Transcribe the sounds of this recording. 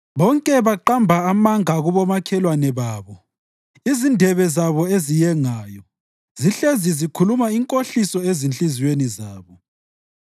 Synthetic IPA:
βɔŋkʼɛβaǃambʱaamaŋaɣuβɔmakʰɛlwanɛβaːβɔ | izindʱɛβɛzaβɔezijɛŋaːjɔ | ziɬezizikʰulumaiŋkʼoɬisɔezint͡ɬʼiziwenizaːβɔ

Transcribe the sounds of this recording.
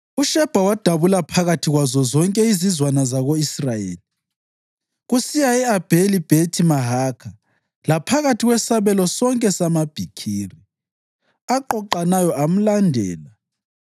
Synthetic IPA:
uʃɛb̥ʱawad̥ʱaβulapʰaɣatʰiɣwazɔzɔŋkʼɛizizwanazaɣoisrajḛːli | ɣusijaɛab̥ʱelib̥ʱetʰimaɦaːkʰa | lapʰaɣatʰiɣwɛsaβɛlɔsɔŋkʼɛsamab̥ʱikʰiːri | aǃɔǃanajɔam̩landʱɛːla

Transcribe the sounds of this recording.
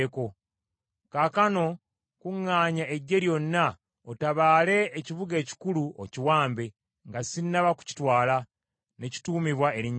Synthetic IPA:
ko̞ | kakano̞ | kuŋːaːɲae̞ɟːe̞ɾjo̞nːa | otaβaːle̞ːciβuɡe̞ːci̥kuluʔo̰ciwaːmbe̞ | ŋɡasinːaβaku̥ci̥twaːla | ne̞ci̥tuːmiβwae̞ɾiɲ

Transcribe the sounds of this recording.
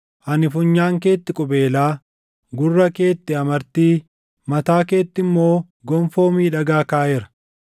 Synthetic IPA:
ʔɐnɪfʊɲːaːŋke̞ːt̪ːɪkʼʊbe̞ːlaː | ɡʊrːɐke̞ːt̪ːɪɐmɐɾt̪iː | mɐt̪aːke̞ːt̪ːɪmːo̞ː | ɡɔmfo̞ːmiːᶑɐɡaːkaːjɛɾɐ̥

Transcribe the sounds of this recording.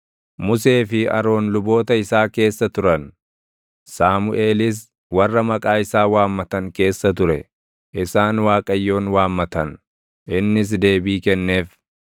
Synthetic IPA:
mʊs̬e̞ːfɪɐ̰ɾo̞ːnlʊbo̞ːt̪ɐɪsaːke̞ːsːɐt̪ʊɾɐn | saːmʊʔe̞ːlɪs̬ | wɐrːɐmɐkʼaːɪsaːwaːmːɐt̪ɐŋke̞ːsːɐt̪ʊɾɛ̰ | ʔɪsaːnwaːkʼɐjːo̞ːnwaːmːɐt̪ɐn | ʔɪnːɪs̬d̪e̞ːbiːkɛnːe̞ːf

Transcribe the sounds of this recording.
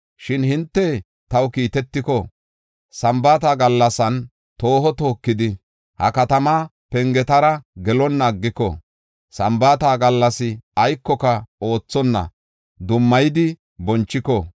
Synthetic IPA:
ʃɪnhɪnt̪ːɛ | t̪ɐwkiːt̪ɛt̪ːɪkɔ | sɐmbaːt̪aːɡɐlːɐsɐn | t̪o̞ːɦɔt̪o̞ːkːɪd̪ɪ | hɐ̰kɐt̪ɐma | pɛŋɡɛt̪ɐɾɐɡɛlɔnːɐːɡːɪkɔ̰ | sɐmbaːt̪aːɡɐlːɐsɪɐjkːɔkɐo̞ːt͡sːɔnːɐ̰ | d̪ʊmːɐjɪd̪ɪ | bɔnt͡ʃːɪkɔ

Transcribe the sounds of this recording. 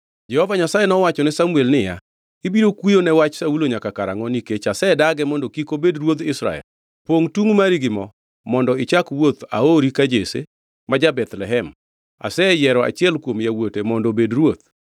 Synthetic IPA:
d͡ʒɛhɔvaɲasajenɔwat͡ʃɔnɛsamuelnɪja̰ | ibiɾokwijonɛwat͡ʃsauloɲakakaɾa̰ŋɔniket͡ʃasɛdaɡɛmɔndɔkikobedɾwod̪ɪsɾa̰ɛ̰l | poŋtuŋmaɾiɡɪmɔ | mɔndɔɪt͡ʃakwot̪a̰oɾikad͡ʒesḛ | mad͡ʒabɛt̪lɛɦɛm | a̰sɛjɛɾɔa̰t͡ʃɪɛlkwomjawotemɔndɔbedɾwot̪̚

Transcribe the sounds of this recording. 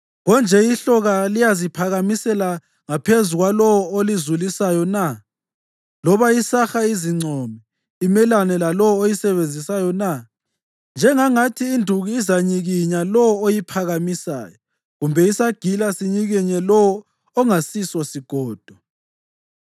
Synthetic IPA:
ɣɔnd͡ʒʱɛiɬɔɣalijazipʰaɣamisɛla | ŋapʰezuɣwalɔwolizulisajɔna | lɔβaisaxaiziŋ͡ǀʱɔmɛ | imɛlanɛlalɔwojisɛβend͡zʱisajɔna | nd͡ʒʱɛŋaŋatʰiːndʱuɣiːzaɲiɣiɲalɔwɔojipʰaɣamisa̰ːjɔ | ɣumbʱɛisaɡ̥ʱilasiɲiɣɛɲɛlɔː | ŋasisɔsiɡ̥ʱɔːd̥ʱɔ

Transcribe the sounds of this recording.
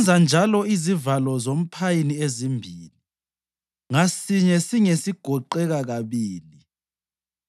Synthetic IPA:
nd͡zʱand͡ʒʱalɔizivalɔzom̩pʰajiniezimbʱiːli | ŋasiɲɛsiŋesiɡ̥ʱɔǃɛɣaɣaβiːli

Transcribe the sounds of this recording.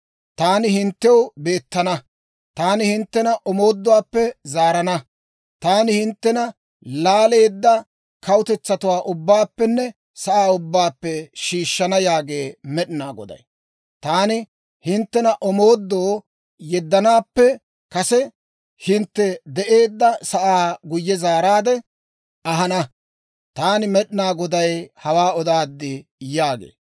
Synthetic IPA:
t̪aːnɪhɪnt̪ːɛwbe̞ːt̪ːɐnɐ | t̪aːnɪhɪnt̪ːɛnɐʔɔmo̞ːd̪ːɔwaːpːɛzaːɾɐnɐ | t̪aːnɪhɪnt̪ːɛnɐ | laːle̞ːd̪ːɐ | kɐwʊt̪ɛt͡sːɐt̪ʊwaːʔʊbːaːpːɛnːɛ | sɐʔaːʊbːaːpːɛʃiːʃːɐnɐjaːɡe̞ːmɛɗɪnaːɡɔ̰d̪ɐ̰j | t̪aːnɪ | hɪnt̪ːɛnɐʔɔmoːd̪ːoː | jɛd̪ːɐnaːpːɛ | kɐsɛ | hɪnt̪ːɛd̪ɛʔe̞ːd̪ːɐsɐʔaːɡʊjːɛzaːɾaːd̪ɛ | ɐɦɐnɐ | t̪aːnɪmɛɗɪnaːɡɔd̪ɐjhɐwaːɔd̪aːd̪ːɪjaːɡḛː

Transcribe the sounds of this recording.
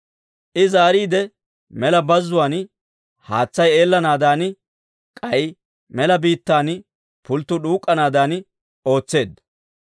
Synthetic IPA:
ʔɪzaːɾiːd̪ɛ | mɛlɐbɐzːʊwaːn | haːt͡sːɐje̞ːlːɐnaːd̪aːn | kʼɐj | mɛlɐbiːt̪ːaːn | pʊlt̪ːʊɗuːkʼːɐnaːd̪aːn | o̞ːt͡sːe̞ːd̪ɐ

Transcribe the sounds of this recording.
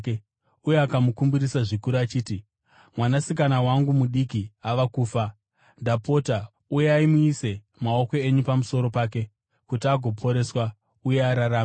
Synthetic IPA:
uje̞akamukumbiɾisaʐikuɾuat͡ʃiːti | mwanasikanawaŋɡumuɗikiaʋakuːfa | ndapo̞ta | ujeaimuise̞ | mao̞ko̞e̞ɲupamuso̞ɾo̞paːk̬e̞ | kutiaɡʱo̞pʰo̞ɾe̞swa | uje̞aɾaɾaːm

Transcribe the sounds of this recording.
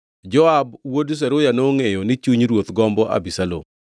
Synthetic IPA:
d͡ʒɔabwods̬ɛɾojanoŋejonɪt͡ʃuɲɾwot̪ɡɔmbɔʔa̰bisalo̰m

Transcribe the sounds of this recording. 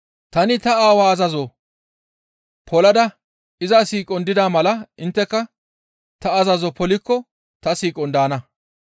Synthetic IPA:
t̪ɐnɪt̪ɐaːwaːɐzɐzɔ | pʰɔlɐd̪ɐ | ɪzasiːkʼɔnd̪ɪd̪aːmɐlɐɪnt̪ːɛkːɐ | t̪ɐːzɐzɔpɔlɪkːɔ | t̪ɐsiːkʼɔnd̪aːnɐ

